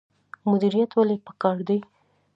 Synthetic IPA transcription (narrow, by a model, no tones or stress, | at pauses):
mʊd̪iɾijat̪walepə̥kɑɾd̪ej